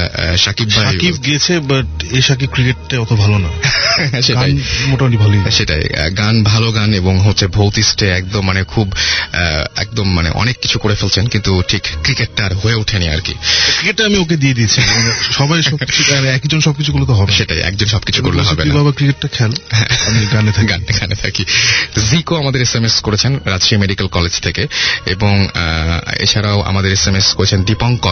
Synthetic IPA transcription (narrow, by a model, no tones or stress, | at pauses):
ʃakibbaʃaib̚ɡit͡ɕʰebɐʈeʃak̬ib̚kɾikeʈːaɔt̪obʱalonaʃeɡaajmoʈamaʈibʱaloiʃeʈa̰j̰ɡanbʱaloɡaneboŋɦotːɕʰebʱowt̪isʈeɛkd̪omːanekʰub̰ | ɛ̰k̚d̪omːanḛʔɔ̰nekːi̥t͡ɕʰukoɾefelt͡ɕʰenkint̪uʈʰikkɾikeʈːaɾɦoeuʈʰenia̰ɾkḭɾikeʈːaamiok̬ed̪ied̪iet͡ɕʰieʃɔbajʃɔit͡ɕʰuɛɛkd͡ʑonʃɔb̚kit͡ɕʰukulot̪oɦɔbeʃeʈa̰jɛ̰k̚d͡ʑonʃɔb̚kit͡ɕʰukoɾleɦbeniababakɾikeʈʈakʰɛlɦɛ̰̃amiɡanet̪ʰaɡaneɡʰanet̪ʰa̰kizikoamad̪eɾesemeskoɾet͡ɕʰenɾad͡ʑʃiemeɖikelkɔled͡ʑt̪ʰekeeboŋ | ḛt͡ɕʰaɾaoʔa̰mad̪eɾesemeskoɾet͡ɕʰenɖipɔŋkɔ